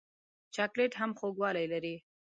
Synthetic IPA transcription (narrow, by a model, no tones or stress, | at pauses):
t͡ʃɑkleʈɦamxoɡwɑlajlaɾi